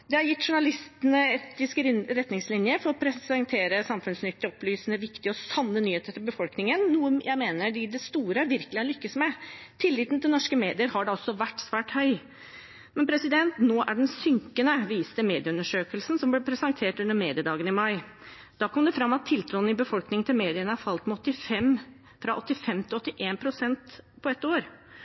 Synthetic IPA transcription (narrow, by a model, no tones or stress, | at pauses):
d̪ɛhɑɾjɪt̪ːʂʊɳɑlɪst̪ənəɛt̪ɪskɾɛt̪nɪŋslɪnjəfɔɾɔpʰɾɛsɛŋt̪ʰeːɾəsɑmfʉnsnʏt̪ːɪɔplyːsnəʋɪkt̪ɪəɔsɑnːənyːheːt̪ət̪ɪlbəfɔlknɪŋənnuːəjæɪmeːnəɖɪd̪ɛst̪uːɾəæɾʋɪɾkəlɪhɑɭʏkːəsmɛt̪ʰɪlːɪːt̪nt̪ʰɪlnɔʂkəmeːd̪ɪəɾhɑɖɛɔsːɔʋæʈːsʋæːʈhœʏ | mɛnpʰɾɛsɪd̪ɛnt̪noːʔæɖɛnsʏŋkənəʋiːst̪əmeːd̪ɪəʉnəʂøːkəlsn̩sɔmblɛpʰɾɛsɑŋt̪ʰeːʈʉnəɾmeːd̪ɪəd̪ɑːɡənɪmɑɪ | d̪̥ɑːkʰɔmd̪ɛfɾɑmːɑt̪ʰːɪlt̪ʰɾuːn̩ɪbəfɔlknɪŋt̪ʰɪlmeːd̪ɪənəhɑɾfɑlt̪mɛɔt̪ːɪfɛm | fɾɑʔɔt̪ːɪfɛmt̪ʰɪlɔt̪ːɪʔeːnpʰɾʊsɛnt̪pʰɔɛt̪ːoːɾ